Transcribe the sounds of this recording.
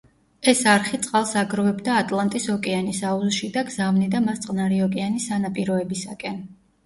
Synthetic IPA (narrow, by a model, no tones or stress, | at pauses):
ɛsaɾχit̪sʼqʼalˠsaɡɾɔvɛbd̪aːt̪ʼlˠant̪ʼisɔkʼɛanisauzʃid̪aɡzavnid̪amast̪sʼqʼnaɾiɔkʼɛanisanapʼiɾɔɛbisakʼɛn